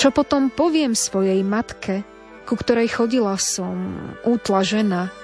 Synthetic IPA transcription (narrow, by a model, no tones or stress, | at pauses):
t͡ʃɔpɔt̪ɔmpɔʋɪɛmsʋɔjɛjmat̪kʰɛ | kukt̪ɔɾɛjxɔɟilasɔmuːt̪laʒɛna